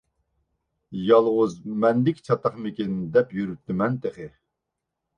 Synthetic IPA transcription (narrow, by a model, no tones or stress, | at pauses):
jɑlˠʁʊzmɛnd̪ɪkʲt͡ʃʰɑt̪ɑχmɪkʲind̪ɛpjyɾyt̪ːɪmɛnt̪ʰeχɪ